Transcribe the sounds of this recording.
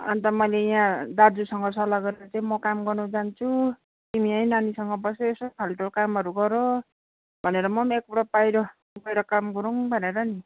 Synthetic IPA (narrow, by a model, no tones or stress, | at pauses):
ʌ̰nt̪ʌmʌjlejãd̪ad͡zusʌŋɡʌsʌlaɡʌɾeɾat͡saĩmʌkamɡʌrnud͡zant͡sʰu | t̪imiʌjnanisʌŋɡʌbʌseesʌp̪ʰalʈolkamɦʌɾuɡʌɾo | bʱʌneɾʌmʌmek̚oɽapajɾʌ | ɡʌjɾʌkamɡʌɾuŋbʱʌneɾʌni